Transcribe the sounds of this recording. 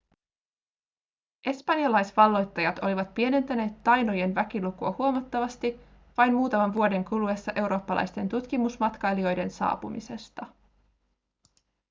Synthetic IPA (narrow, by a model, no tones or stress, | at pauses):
ʔe̞spɑnjɑlɑjsʋɑlːo̞jt̪ːɑjɑt̪o̞liʋɑt̪̚pie̞ne̞nt̪æne̞ːt̪ːɑjno̞je̞nʋæk̟ilukuɑhuomɑt̪ːɑʋɑst̪i | ʋɑjnmuːt̪ɑmɑnʋuo̞de̞ŋkulue̞sːɑʔe̞wɾo̞ːpːɑlʔɑ̰jst̪e̞nt̪ut̪kimusmɑt̪kɑjlio̞jde̞nsɑ̰ːpumise̞st̪ɑ